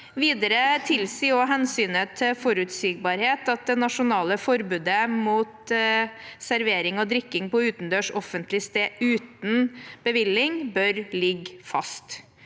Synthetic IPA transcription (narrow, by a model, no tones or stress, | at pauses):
ʋiːd̪əɾət̪ʰɪlsiːɔɦɛnsyːnət̪ʰɪfɔɾʉt̪siːɡ̚bɑːɾheːt̪ɑt̪̚d̪ɛnɑʂʊnɑːləfɔɾbʉːd̪əmuːt̪ | sæɾʋeːɾɪŋɔd̪ɾɪkːɪŋpɔʉːt̪n̩d̪øːʂɔfənt̪lɪst̪eːʉːt̪n̩b̥əʋɪlːɪŋbœɾlɪɡfɑ̰st̪